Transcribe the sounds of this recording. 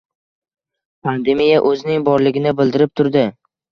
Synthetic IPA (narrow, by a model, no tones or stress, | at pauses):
pʰand̪e̞mijaʔɵzɪnɪŋbɒɾlɪɡʲɪnɪbɪld̪ɪɾɪp̚t̪ʰʊɾd̪ɪ